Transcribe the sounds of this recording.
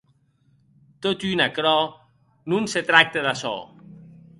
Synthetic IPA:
t̪ot̪ynakɾɔ | nunset̪ɾak̚t̪eðasɔ̰

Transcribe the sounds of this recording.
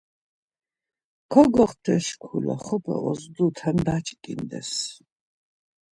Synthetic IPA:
kʰɔɡɔχt̪ʰɛʃkʷʰulɔ̰χɔpʰa̰ʔɔzd̪ut̪ʰɐnd̪at͡ʃʼkʼind̪ɛ̰s

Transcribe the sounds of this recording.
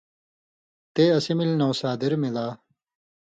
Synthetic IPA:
t̪eːɐsimilnowsaːd̪iɾmilaː

